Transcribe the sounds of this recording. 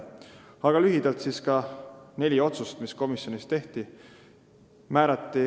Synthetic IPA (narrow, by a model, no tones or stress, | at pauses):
ɑɡ̥ɑlyɦid̪̥ɑlt̪siːskɑne̞lʲio̞t̪sust̪misko̞misjo̞nist̪e̞ht̪i | mæːɾɑt̪ːi